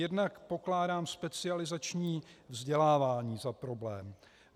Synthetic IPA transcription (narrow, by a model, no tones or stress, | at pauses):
jɛdnakpo̞klaːdaːmspɛt͡sɪalɪzat͡ʃɲiːvzɟɛlaːvaːɲiːzapɾo̞blɛːm